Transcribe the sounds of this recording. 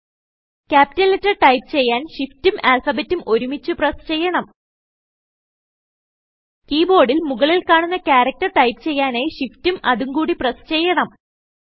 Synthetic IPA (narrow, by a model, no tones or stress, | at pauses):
kʲaːpi̥tɐletːɐʈɐjp̚t͡ɕe̞jːaːnɕiftumaːlfɐbetːumʔo̞ɾumit͡ɕːuprɐst͡ɕe̞jːɐɳɐm | kiːbo̞ːɽilmuɣɐɭilkaːɳunːɐkʲaːɾɐk̚tɐrʈɐjpt͡ɕe̞jːaːneːɕiftumɐðuŋkuːɽiprɐst͡ɕe̞jːɐɳɐm